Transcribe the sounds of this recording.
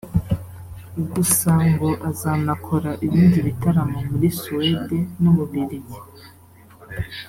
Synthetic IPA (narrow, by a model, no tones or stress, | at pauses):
ɡusaŋɡo̞ʔazanakʰo̞ɾaʔiβiːndiβitaɾamomuɾisuedenuβuβiɾizi